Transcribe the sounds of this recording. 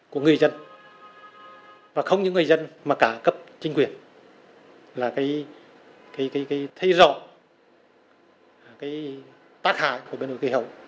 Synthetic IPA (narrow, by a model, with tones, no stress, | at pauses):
ku˧˩əŋɨ˨˩əjzə˧n | vaː˨˩xə˧wŋ͡mɲɨ̰˧˥ŋɨ˨˩ə˩zə˧nmaː˨˩kaː˧˩kə˦˥p̚t͡ɕï˧ŋ̟kwi˨˩ən | laː˨˩kaː˨˦j | kaː˨˦jkaː˨˦jkaː˨˦jt̪ʰə˧jzɔ̰˧˨˩ | kaː˨˦j | t̪aː˦˥k̚ha̰ː˧˨jku˧˩ɓe˧nɗo˧˨˩ki˧˩ɦə˨˩w